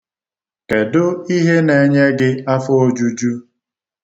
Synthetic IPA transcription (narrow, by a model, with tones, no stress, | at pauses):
ke˨dʊ˦i˦ɦe˦ne˨ɲe˦ɡɪ˦a˦fʊ˦o˦d͡ʒu˦d͡ʒu˦